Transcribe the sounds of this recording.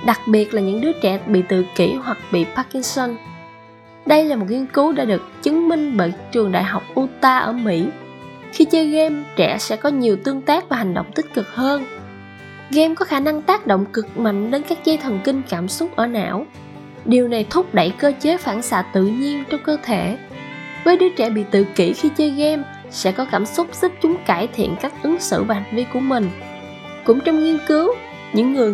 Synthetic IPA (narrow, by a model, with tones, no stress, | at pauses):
ɗa˨˩k̚ɓi˨˩ət̚laː˨˩ɲɨ̰˧˥ŋɗɨ˨˦ət͡ɕɛ̰˧˩ɓḭ˧˨t̪ɨ̰˧˨kḭ˧˩ɦwa˨˩k̚ɓḭ˧˨paː˧ki˧ŋsɔ˧n | ɗə˧jlaː˨˩mo˨˩t̚ŋi˧ənku˨˦ɗa̰ː˧˥ɗɨ˨˩ək̚t͡ɕɨ˨˦ŋmï˧ŋ̟ɓə̰ː˧˨jt͡ɕɨ˨˩əŋɗa̰ː˧˨jɦa˨˩wk͡p̚ʔu˧t̪aː˧ʔəː˧˩mḭ˧˥ | xi˧t͡ɕəː˧ɣɛ˧mt͡ɕɛ̰˧˩sɛ̰˧˥kɔ˨˦ɲi˨˩əwt̪ɨ˧əŋt̪aː˦˥k̚vaː˨˩ɦa˨˩ŋ̟ɗo̰˧˨wŋ͡mt̪ï˦˥t̟̚kɨ˨˩k̚həː˧n | ɣɛ˧mkɔ˨˦xaː˧˩na˧ŋt̪aː˦˥k̚ɗo̰˧˨ŋ͡mkɨ˨˩k̚ma̰˧˨jŋ̟ɗe˨˦nkaː˦˥k̚zaː˧jt̪ʰwə˨˩nkï˧ŋ̟kaː˧˩msʊ˦˥k͡p̚ʔəː˧˩na̰ː˧˥˨w | ɗi˨˩əwna˨˩jt̪ʰʊ˦˥k͡p̚ɗə̰˧˨jkəː˧t͡ɕe˨˦faː˧˩nsa̰ː˧˩t̪ɨ̰˧˨ɲi˧ənt͡ɕɔ˧wŋ͡mkəː˧t̪ʰe˧˩ | vəː˨˦jɗɨ˨˦ət͡ɕɛ˧˩ɓḭ˧˨t̪ɨ̰˧˨ki˧˩xi˧t͡ɕəː˨˦jɣɛ˧m | sɛ̰˧˥kɔ˨˦kaː˧˩msʊ˦˥k͡p̚zɨ˦˥p̚t͡ɕʊ˨˦ŋ͡mkaː˧˩jt̪ʰḭ˧˨ənkaː˦˥k̚ʔɨ˨˦ŋsɨ̰˧˨vaː˨˩ha˨˩ŋ̟vi˧ku˧˩əmï˨˩ŋ̟ | kʊ̰˧˥ŋ͡mt͡ɕɔ˧wŋ͡mŋi˧ənkɨ˨˦w | ɲɨ̰˧˥ŋːɨ˨˩əj